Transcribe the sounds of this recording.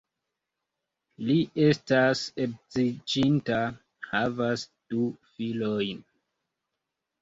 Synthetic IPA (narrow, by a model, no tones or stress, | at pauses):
liʔe̞stasek̚zid͡ʒinta | havasd̥ufilojn